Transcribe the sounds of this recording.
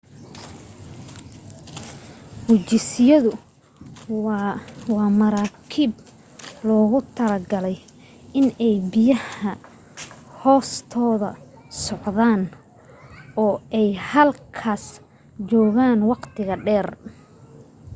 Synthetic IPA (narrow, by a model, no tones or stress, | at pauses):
hʊt͡ʃɪsɪjɐðʊ | wɑːmɐɾaːkʰiːb | lɔːɣʊt̪ʰɐlɐɡɐlɛj | ɪnɛjbɪjɐhɐ | hɔːst̪ʰɔːðɐ̰ | sɔʕðaːn | ɔːɛjhɐlkʰaːs | t͡ʃɔːɣaːnwɑqt̪ʰɪɣɐɖɛːr